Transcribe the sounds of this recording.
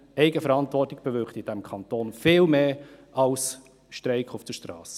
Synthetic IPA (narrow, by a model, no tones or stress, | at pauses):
ɛɪɡəfəɾɑntʋɔrtɪɡ̥̚b̥əʋʏɾktɪd̥æmkʰɑntoːnfɪːlmeːɑls | ʃtɾɛɪkʰufd̥əʃtɾɑ̰ːs